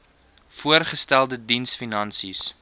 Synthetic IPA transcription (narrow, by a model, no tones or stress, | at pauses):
fuərχəstælˠdədinsfinɐnsis